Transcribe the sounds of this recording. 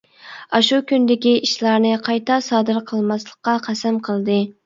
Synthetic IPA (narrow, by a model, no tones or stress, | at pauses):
ɑʃukʲynd̪ɪkʲiiʃlˠɑɾnɨqʰɑjt̪ʰɑsɑːd̪ɨɾqʰəlˠmɑslˠəqːɑqʰæsæmqʰəlˠd̪ɨ